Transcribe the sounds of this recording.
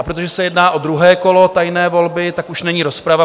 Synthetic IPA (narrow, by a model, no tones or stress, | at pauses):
ʔapɾo̞t̪o̞ʒɛsɛjɛdnaːʔo̞d̪ɾuɦɛːko̞lo̞t̪ajnɛːvo̞lbɪt̪akuʃnɛɲiːɾo̞spɾava